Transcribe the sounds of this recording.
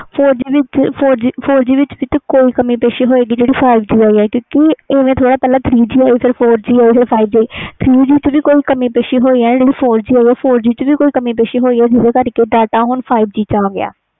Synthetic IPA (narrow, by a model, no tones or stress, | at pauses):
pʰoːɾd͡ʒiːʋɪt͡ʃpʰoːɾd͡ʒiːpʰoːɾd͡ʒiːʋɪt͡ʃʋit̪əkoːiːkəmiːpeːʃeːɦoːeːɡiːd͡ʒeːɽiːpʰaːɪbd͡ʒiːaːiːɛːkjõːkeeːʋẽːt̪ʰoːɽaːpɛːlaːt̪ʰɾiːd͡ʒiːaːiːpʰɪɾpʰoːɾd͡ʒiːaːiːpʰɪɾpʰaːibd͡ʒaːiːt̪ʰɾiːd͡ʒiːt͡ʃʋiːkoːiːkəmiːpeːʃeːɦoːiːɛːd͡ʒeːɽiːpʰoːɾd͡ʒiːaːiɛːpʰoːɾd͡ʒiːt͡ʃʋiːkoːiːkəmiːpeːʃeːɦoːiːɛːd͡ʒɪseːkəɾkeːɖaːʈaːɦʊɳpʰaːɪbd͡ʒiːt͡ʃaːɡɪa̰ː